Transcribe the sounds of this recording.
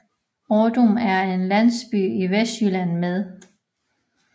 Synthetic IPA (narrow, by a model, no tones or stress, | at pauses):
ɒːd̥omæɐe̝nlæn̰sb̥y̰iʋesd̥ylæn̰með̞ˠ